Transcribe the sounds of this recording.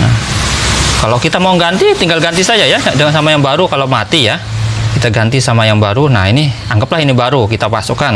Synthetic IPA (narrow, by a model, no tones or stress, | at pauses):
na̰h | kalokit̪amauŋɡant̪it̪iŋɡalɡant̪isad͡ʒajadəŋsamajaŋbaɾukalawmat̪ijakit̪aɡant̪isamajaŋbaɾuna̰hiniaŋɡəplahinibaɾukit̪apasukan